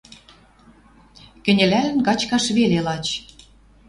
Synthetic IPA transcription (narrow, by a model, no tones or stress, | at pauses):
kɘ̆nʲɘ̆lælɘ̆nkɑt͡ɕkɑʃβelelɑt͡ɕ